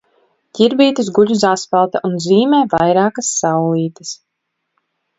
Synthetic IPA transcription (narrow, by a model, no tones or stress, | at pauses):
cʲiɾbiːt̪ɨsɡuʎʲus̬aspalˠt̪ɐʔunziːmɛːvajɾaːkasːawliːt̪ɐs